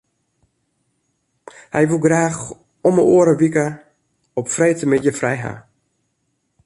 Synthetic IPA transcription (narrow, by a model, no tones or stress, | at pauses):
hɛjʋulˠɡraːx | ɔməʔoəɾəʋikə | ɔpfrejtəmɛtjəfrɛjɦa̰